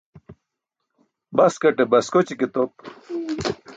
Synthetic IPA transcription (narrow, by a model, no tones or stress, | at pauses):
bɐskɐʈebɐskot͡ɕiket̪op̚